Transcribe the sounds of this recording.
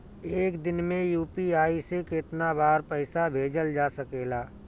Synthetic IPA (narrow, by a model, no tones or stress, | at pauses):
eːkd̪ɪnmẽjuːpiaːiseket̪nabaːɾpɛɪsabʱeːd͡ʒəld͡ʒaːsəkeːlaː